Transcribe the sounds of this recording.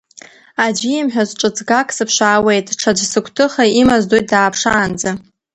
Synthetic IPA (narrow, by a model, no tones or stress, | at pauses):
ad͡ʒimħᶣazʈ͡ʂʼɨt͡sʰʼɡakʼsɨpʰʃaːwe̞jtʼʈ͡ʂʰad͡ʒsɨkʷʰtʰɨχaimazdojt̚ʼdaːpʰʂaːnd͡za